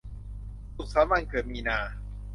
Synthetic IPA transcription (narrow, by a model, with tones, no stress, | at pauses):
t̪u˨˩k̚saː˨˦ma˥˩ŋkɤː˨˩t̪̚miː˧naː˧